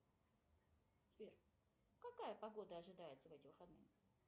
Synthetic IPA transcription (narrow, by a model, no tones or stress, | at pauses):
tʲpʲerʲ | kɐkajəpɐɡo̞d̪əɐʐɨd̪ajɪt̪səvɛtʲɪvɨxɐd̪nɨ̰